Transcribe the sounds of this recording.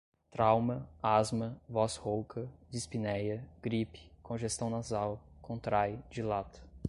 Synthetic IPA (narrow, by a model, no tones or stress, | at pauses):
t̪ɾawmɐazmɐvɔshowkʰɐd͡ʒispinɛjɐɡ̥ɾipɪ̥kʰõʒest̪ɐ̃w̃nazawkõt̪ɾajd͡ʒɪlat̪ɐ̥